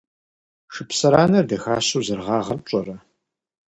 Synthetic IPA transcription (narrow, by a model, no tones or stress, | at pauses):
ʂɨpsɐɾaːnɐrdɐxaːɕuwzɨrʁɑːʁɐrt͡ʃʷʼɔrɐ